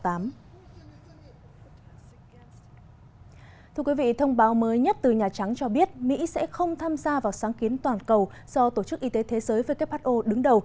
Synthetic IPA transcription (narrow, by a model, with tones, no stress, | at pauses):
t̪aː˨˦m | t̪ʰɨ˧əkwi˨˦vḭ˧˨t̪ʰə˧wŋ͡mɓaː˨˦wməː˨˦jɲə˦˥t̚t̪ɨ˨˩ɲaː˨˩t͡ɕa˨˦ŋt͡ɕɔ˧ɓi˦˥ət̚mḭ˧˥sɛ̰˧˥xə˧wŋ͡mt̪ʰaː˧mzaː˧vaː˨˩wsaː˨˦ŋki˨˦ənt̪waː˨˩nkə˨˩w | z̥ɔ˧t̪o˧˩t͡ɕɨ˦˥k̚ʔi˧t̪e˨˦t̪ʰe˨˦zəː˨˦jvəː˨˦jka˦˥p̚haː˦˥t̚ʔo˧ɗɨ˨˦ŋɗə˨˩w